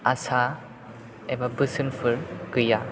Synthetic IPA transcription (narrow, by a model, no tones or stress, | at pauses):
asa | ebabɯsɯnpʰɯɾɡɯja